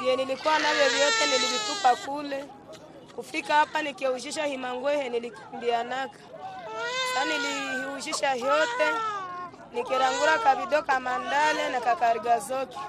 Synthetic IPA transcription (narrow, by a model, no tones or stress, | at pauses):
iɛnilikuwanavjɔvjɔt̪ɛnililitupakulɛ | kufikahapanikɛuʃiʃahimaŋɡwɛhɛniliki̥mbianakḁ | kanilihuʃiʃahjɔtɛ | nikɛɾaŋɡuɾakaβiɗɔkamandalɛnakakaɾiɡazɔkɛ̥